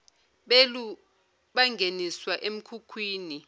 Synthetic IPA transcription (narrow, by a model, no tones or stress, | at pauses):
ɓelu | ɓaŋɡʱeniswaʔem̩kʰukʰwiːni